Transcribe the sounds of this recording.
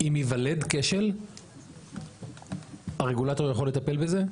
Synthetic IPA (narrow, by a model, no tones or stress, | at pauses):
imjivaled̪keʃel | aʁeɡulat̪o̞ʁjaχo̞let̪ape̞lbeze